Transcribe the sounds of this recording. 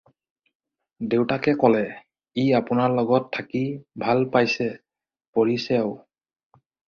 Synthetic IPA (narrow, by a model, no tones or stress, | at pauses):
dewtakɛkɔlɛ | iapʊnaɹlɔɡɔtʰːakibʱalpajsɛ | poɹisjaʊ